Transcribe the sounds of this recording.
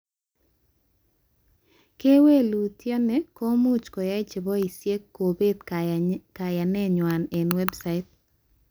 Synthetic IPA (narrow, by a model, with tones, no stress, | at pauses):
ke˦we˦lu˨tje˦nɛ˨kɔ˦mu˦t͡ʃkɔ˨ja˦ɪ˦t͡ʃɪ˨bɔ˦i˨sje˦kːo˨be˦d̪ka˨ja˨nɛ˦ɲwa˨ne˨nwɛ˦bsa˦ɪ˦t̚